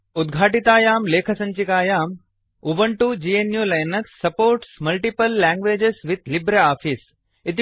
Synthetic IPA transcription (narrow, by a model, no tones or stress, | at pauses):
ʊd̪ɡʱaːʈit̪aːjaːmleːkʰəsɐ̃ɲt͡ʃikaːjaːm | uʋəɳʈud͡ʒiːenjuːlɐjnɐksːɐpoːɾʈsmɐlʈipəlːɛ̃ːŋɡʋeːd͡ʒesʋɪt̪lɪbɾeaːfis | ɪt̪